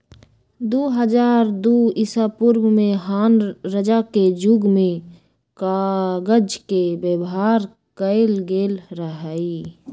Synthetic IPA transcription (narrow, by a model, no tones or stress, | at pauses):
d̪oːɦəd͡ʒaːɾd̪oɪsapʊɾwmẽɦaːnɾəd͡ʒaked͡ʒʊɡmẽ | kaɡəd͡ʒkebjəbɦaːɾ | kəɪlɡeːlɾəɦaːi